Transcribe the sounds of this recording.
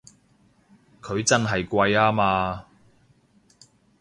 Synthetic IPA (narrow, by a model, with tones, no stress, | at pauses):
kʰɵ˨˧ɥt͡sɐ˥nɦɐ˨jkʷɐ˧jaː˥maː˧